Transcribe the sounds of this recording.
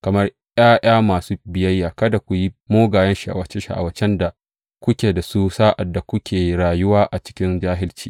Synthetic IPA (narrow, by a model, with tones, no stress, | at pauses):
kɐ˨mɐ˦r | j̰aː˦ʔaː˦maː˨suː˦bɪ˨jɐ˦jːaː˨kɐ˦da˨kʷu˨ji˦moː˦ɡaː˨jɐ˦nʃi˨ʔa̰˨wɐ˨t͡ʃe˦ʃa̰˨ʔa̰˨wɐ˨t͡ʃɛ˦nda˨ | kʷʊ˦kʲeː˨da˨su˦saː˦ʔa˨dːa˨kʷʊ˦kʲʰeː˨ɽaː˨jʊ˦waː˦ʔa˨t͡ʃɪ̥˦kʲɪ˦nd͡ʒaː˦ɦɪ˦lt͡ʃiː˦